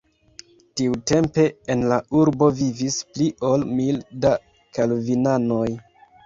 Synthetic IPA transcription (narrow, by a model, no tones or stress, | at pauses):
tiute̞mpe̞enlauɾbo̞vivispliʔo̞lmilda | kalvinano̞j